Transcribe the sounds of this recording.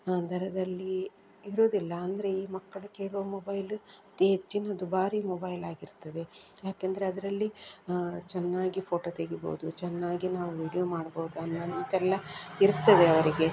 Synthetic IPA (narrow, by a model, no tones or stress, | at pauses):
d̪ʱɐɾɐd̪ɐlːi | iɾoːd̪ilːɐːnd̪ɐɾe̞iːmɐkːɐɭukeːɭuʋɐmobɐjlut̪eːd͡ʒːinɐd̪ubaːɾiːmobɐjlaːɡiɾt̪ɐd̪e̞ | jaːkend̪ɐɾeɐd̪ɐɾɐlːi | t͡ʃɛnːaːɡipʰo̞ːʈoːt̪eɡibo̰ːd̪ut͡ʃɛnːaːɡinaːʋuʋiːɽijomaːɽboːud̪uɐnːɐnimt̪ɛlːɐiɾt̪ːɐd̪e̞ɐʋɐɾiɡe̞